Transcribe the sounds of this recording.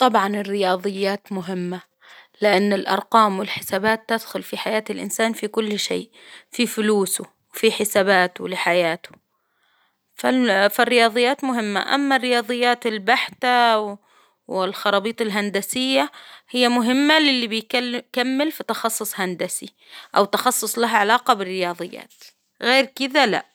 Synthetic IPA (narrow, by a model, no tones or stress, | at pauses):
t̪ˤɑbʕɑnɪrːɪjɑːðˤɨjːaːt̪mʊɦɪmːa | lɪʔanːɪlʔɑ̰ɾˤqɑːmwɪlħɪ̥saːbaːt̪ːɪd̪xʊlfiħajaːt̪ɪlʔɪ̰nsaːnfikʊlːʃḛːʔfifʊluːsʊ | wfiħɪsaːbaːt̪ʊlɪħajaːt̪ʊ̥ | fafarːɪjɑːðˤɨjːaːt̪mʊɦɪmːa̰ʔa̰mːarːɪjɑːðˤɨjːaːt̪ɪlbaħt̪a | wɪlxɑɾˤɑːbiːt̪ɪlɦand̪asɪjːahɪjːamʊɦɪmːalɪlːibɪjkkamːɪlfit̪ɑxɑsˤːʊsˤhand̪asi | ʔawt̪ɑxɑsˤːʊsˤlaɦaʕalɑːqɑbɪrːɪjɑːðˤɨjːa̰ːt̪ | ɣeːɾkɪd̪ala̰ʔ